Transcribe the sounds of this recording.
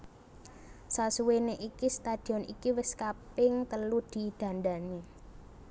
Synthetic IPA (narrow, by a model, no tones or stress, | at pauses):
sasuweneʔikist̪ad̪̥i̤ɔnḭkiwɪskapɪŋt̪əlud̪̥i̤d̪̥ä̤nd̪ani